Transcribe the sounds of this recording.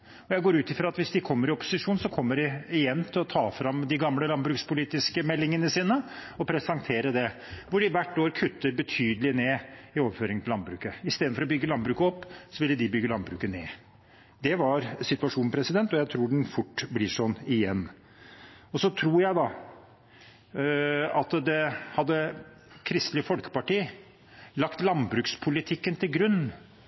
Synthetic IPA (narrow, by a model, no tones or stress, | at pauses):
ɔjæɪɡoːɾʉːt̪ɪfɾɑɑt̪ʋɪsd̪ɪkʰɔmːəɾɪɔpʊ̥sɪʂuːnsɔkʰɔmːəɖɛɪjɛnːt̪ʰɪlɔt̪ʰɑːfɾɑmd̪ɪɡɑmləlɑnbɾʉːkspʊliːt̪ɪskəmɛlːɪŋənəsiːnəɔpʰɾɛsɑŋt̪ʰeːɾəd̪ɛ | ʋʊɖɪʋæʈːoːɾkʰʉt̪ʰːəɾbət̪ʰyːd̪əlɪneːɪoːʋəføːɾɪŋət̪ɪlɑnbɾʉːkəɪst̪eːd̪nfɔɾɔbʏɡːəlɑnbɾʉːkəɔpːsɔʋɪlːəd̪ɪbʏɡːəlɑnbɾʉːkəneː | d̪ɛʋɑɾsɪt̪ʋɑʂuːnpʰɾɛsɪd̪ɛnt̪ɔjæɪt̪ʰɾuːɖɛnfʊʈːblɪʂɔnɪjɛnː | ɔsɔt̪ʰɾuːɾjæɪd̪ɑ | ɑt̪d̪ɛhɑd̪ːə | kʰɾɪst̪lɪfɔlkə̥pɑʈiː | lɑkt̪lɑnbɾʉːkspʰʊlɪt̪ʰɪkːənt̪ʰɪlɡɾʉnː